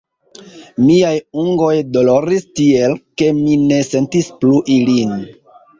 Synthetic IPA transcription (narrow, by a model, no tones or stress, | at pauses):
miajuŋɡo̞jdo̞lo̞ɾistie̞lke̞mine̞se̞ntispluʔilin